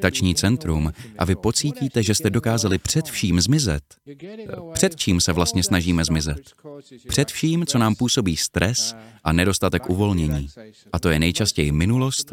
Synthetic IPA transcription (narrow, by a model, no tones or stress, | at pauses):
t̪at͡ʃɲiːt͡sɛnt̪ɾumʔa̰vɪpo̞t͡siːciːt̪ɛʒɛst̪ɛdo̞kaːzalɪpr̝̥ɛt̪fʃiːmzmɪzɛ̰t̪ | pr̥ɛt̪t͡ʃiːmsɛvlast̪̚ɲɛsnaʒiːmɛzmɪzɛt̪pr̝̥ɛt̪fʃiːmt͡so̞naːmpuːso̞biːst̪ɾɛsʔanɛdo̞st̪at̪ɛkʔuvo̞lɲɛɲiːʔat̪o̞jɛnɛjt͡ʃascɛjɪmɪnulo̞st̪